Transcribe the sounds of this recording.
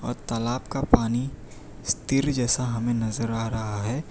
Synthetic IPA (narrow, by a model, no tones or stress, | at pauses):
ɔ̰ːɾt̪ɐlaːbkapaːni | st̪ɪɾd͡ʒɛːsaɦɐmẽnɐzəɾaːɾɐɦaɦɛː